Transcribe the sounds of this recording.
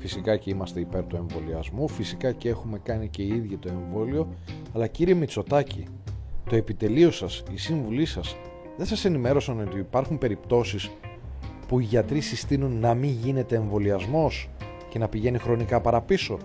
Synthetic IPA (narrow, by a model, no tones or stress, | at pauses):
fisikɐceimɐst̪e̞ipe̞ɾt̪ue̞ɱvo̞liɐzmufisikɐcee̞xume̞kɐnice̞iiðʝit̪o̞e̞ɱvo̞lio̞ɐlɐciɾie̞mit͡so̞t̪ɐci | t̪o̞e̞pit̪e̞lio̞sɐsisiɱvulisɐs | ðesɐse̞nime̞ɾo̞sɐno̞t̪iːpɐɾxumpe̞ɾipt̪o̞sis | puiʝɐt̪ɾisist̪inunːɐmiɲʝine̞t̪e̞ːɱvo̞liɐzmo̞s | ce̞nɐpiʝe̞nixɾo̞nikɐpɐɾɐpiso̞